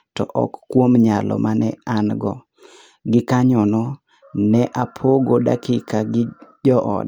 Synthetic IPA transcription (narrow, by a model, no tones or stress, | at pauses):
tɔ̰ʔɔ̰kːwomɲalɔ̰manɛanɡɔ | ɡɪkaɲɔnɔ | nɛʔapʰoɡoda̰kɪkaɡɪd͡ʒɔʔɔ̰d